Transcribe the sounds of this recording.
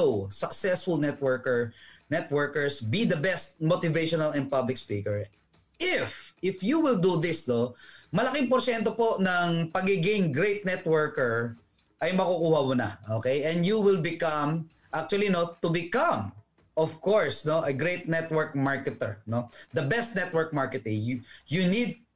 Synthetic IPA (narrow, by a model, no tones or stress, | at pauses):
owsɐksɛsfʊlnɛt̪̚wɛɹkɛɹnɛt̪̚wɛɹkɛɹsbid̪ɐbɛst̪̚mot̪ɪvejʃɔnɐlɛnd̪̚pɐblɪk̚spikɛɹ | ʔɪfʔɪfjuwɪld̪ud̪ɪsnomɐlɐkɪŋpoɾʃɛnt̪opo̞nɐŋpɐɡɪɡɪŋɡɾejt̪̚nɛt̪̚wɛɹkɛɹ | ʔɐjmɐkukuːhɐmʊnɐ̰ʔokejʔɛ̃nd̪juwɪlbɪkɐm | ʔak̚t͡ʃʊɐlinot̪ʊbɪkɐ̃m | ɔvkoɹsnoʔɐɡɹejt̪̚nɛt̪wɛɹk̚maɹkɛt̪ɛ̰ɹnod̪ɐbɛst̪̚nɛt̪wɛɹk̚maɹkɛt̪ɪ̃ŋjunid̪̚